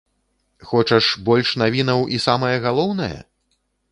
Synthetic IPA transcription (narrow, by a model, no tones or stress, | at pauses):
xɔt͡ʂɐʂbɔlʲʂn̪avʲin̪ɐwʔisamɐjɐɣalˠɔwn̪ɐjɐ̰